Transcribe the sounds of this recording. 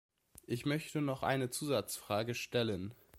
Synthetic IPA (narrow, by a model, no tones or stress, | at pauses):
ʔɪçmœçtənɔχʔa̰ɪnət͡suːzat͡sfʁ̥aːɡəʃtɛlən